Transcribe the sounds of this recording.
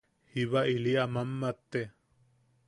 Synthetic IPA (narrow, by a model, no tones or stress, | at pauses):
hiβaʔiliamamːat̪ːe